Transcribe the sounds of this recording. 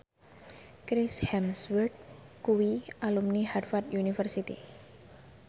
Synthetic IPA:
kɾɪshɛmswɛrd̪̚kuwiʔalumniharfat̪junifərsit̪ḭ

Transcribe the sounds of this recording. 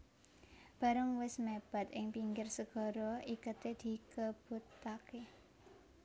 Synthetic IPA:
b̥a̤ɾəŋwɪsmeb̥a̤t̪ɪŋpiŋɡɪrsəɡ̥ɔ̤ɾɔikət̪ed̪̥i̤kəb̥ṳt̪ːake

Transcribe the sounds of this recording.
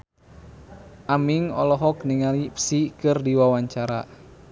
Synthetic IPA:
ʔamiŋɔlɔɦɔkniŋalipsikɨrdiwawaɲt͡ʃaɾa̰

